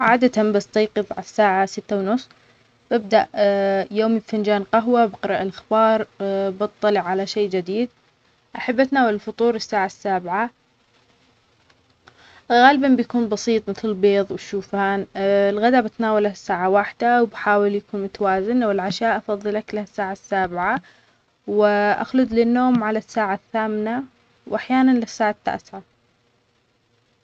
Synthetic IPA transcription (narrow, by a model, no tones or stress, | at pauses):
ʕaːd̪at̪ambast̪ɑjqɨðˤʕa̰sːaːʕasɪt̪ːawnʊsˤː | bɪb̚d̪aʔjoːmibfand͡ʒaːnqaɦwabɪqɾˤɑʔɪlʔaxbɑːɾˤbɨt̪ˤːɑlɪʕalaʃeːd͡ʒɪd̪iːd̪̚ | ʔaħabːʔat̪naːwalɪlfʊt̪ˤuːɾɪsːaːʕasːaːbʕa | ɣaːlbambjakuːnbɑsˤiːt̪ˤmɪθlɪlbeːðˤwʃuːfaːnɪlɣad̪abɪt̪naːwalhasːaːʕawaħd̪awbħaːwɪljakuːnmʊt̪awaːzɪnwɪlʕaʃaːʔɑfɑðˤːɨlaklahasːaːʕasːaːbɪʕa | wɪʔa̰xlʊd̪lɪnːoːmʕalasːaːʕaθːaːmna | wʔaħjaːnanlɪsːaːʕat̪ːa̰ːsʕa